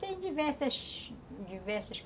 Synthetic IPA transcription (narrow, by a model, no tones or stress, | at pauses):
t̪ẽj̃d͡ʒivɛɾsɐʃd͡ʒivɛɾsɐʃk